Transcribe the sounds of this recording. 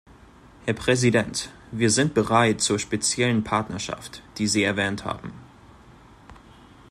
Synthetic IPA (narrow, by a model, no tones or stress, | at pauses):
hɛɐpʁ̥ɛzidɛnt | viːɐzɪnt̚b̥əʁaɪtt͡suːɐʃpet͡sjɛlənpʰaɐtnɐʃa̰ftd̥iːziːɛɐvɛːntha̰ːbm̩